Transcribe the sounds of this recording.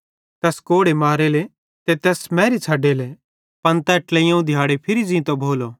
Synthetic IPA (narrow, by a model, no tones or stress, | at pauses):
t̪ɛːskoːɽemaːɾele | t̪et̪ɛːsmɛ̃ːɾit͡sʰaːɖele | pɐnt̪ɛːʈlɛijãːũd̪ʱjaːɽepʰɪɾid͡zĩt̪obʱoːlo